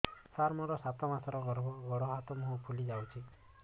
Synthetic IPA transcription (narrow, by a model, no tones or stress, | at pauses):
saɾmɔɾɔsat̪ɔmasɔɾɔɡɔɾbɔɡɔɽɔɦat̪ɔmɔɦupʰulid͡ʒawt͡ʃʰi